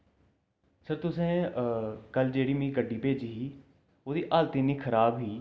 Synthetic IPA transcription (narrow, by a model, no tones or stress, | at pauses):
səɾt̪ʊsẽː | kəld͡ʒeːɽiːmĩːɡəɖːiːpeːd͡ʒɦiː | oːd̪iːʔaːlt̪iːniːkʰəɾaːbɦiː